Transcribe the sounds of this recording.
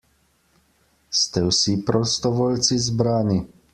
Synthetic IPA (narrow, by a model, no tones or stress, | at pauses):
st̪ɛwsipɾɔst̪ɔʋoːlt̪sizbɾaːni